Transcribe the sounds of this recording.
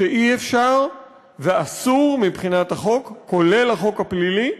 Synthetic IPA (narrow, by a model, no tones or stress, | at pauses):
eʔiefʃaʁ | veasuʁmibχinat̪haχo̞kːole̞laχo̞khaplili